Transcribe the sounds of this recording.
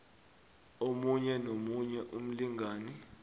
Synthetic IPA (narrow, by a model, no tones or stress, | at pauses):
omuɲɛnomuɲɛʔum̩liŋaːni